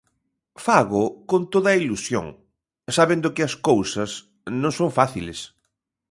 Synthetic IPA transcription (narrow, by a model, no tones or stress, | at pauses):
faɣʊkont̪oðɐilusjo̰ŋ | saβẽnd̪ʊkɪɐskowsɐs | nõŋsoŋfaθḭlḛs